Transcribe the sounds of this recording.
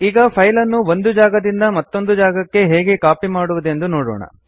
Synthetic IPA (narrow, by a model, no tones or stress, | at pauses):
iːɡɐpʰɐjlɐnːuond̪ud͡ʒaːɡɐd̪ind̪ɐmɐt̪ːo̞nd̪ud͡ʒaːɡɐkːe̞ɦeːɡe̞kaːpimaːɽuʋud̪e̞nd̪unoːɽɔ̰ːɳɐ̰